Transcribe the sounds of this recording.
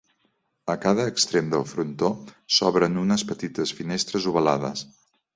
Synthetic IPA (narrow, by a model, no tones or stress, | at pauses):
əkaðəːkst̪ɾemd̪əlˠfɾunt̪osɔβɾənunəspət̪it̪əsfinest̪ɾəzuβəlaðəs